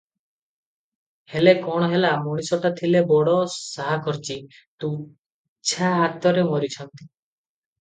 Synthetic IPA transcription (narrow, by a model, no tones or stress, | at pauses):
helekɔɽ̃ɔɦelamɔɽ̃isɔʈat̪ʰilebɔɽɔsaɦakʰɔɾt͡ʃi | t̪ũ | t͡ʃʰaɦat̪ɔɾemɔɾit͡ʃʰɔnt̪i̥